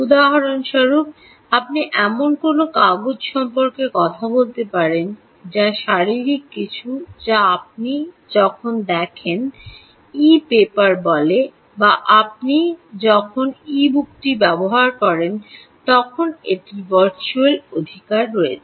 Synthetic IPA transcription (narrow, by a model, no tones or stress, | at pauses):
ud̪aɦaɾonʃɔɾub̚ | ap̚niʔɛmonkonokaɡod͡ʑʃɔmpoɾkekɔt̪ʰabolt̪epaɾen | d͡ʑaʃaɾiɾikːit͡ɕʰud͡ʑaap̚ni | d͡ʑɔkʰond̪ɛkʰen | ipepaɾbɔle | baʔap̚nid͡ʑɔkʰonibuk̚ʈibɛboɦaɾkɔɾen | t̪ɔkʰoneʈivaɾt͡ɕuelod̪ʱikaɾːoet͡ɕʰe